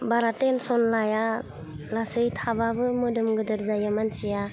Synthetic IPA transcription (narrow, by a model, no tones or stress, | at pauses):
baɾatensɔnlaja | lasɯjtʰababɯmɯdɯmɡɯdɯɾzajamansija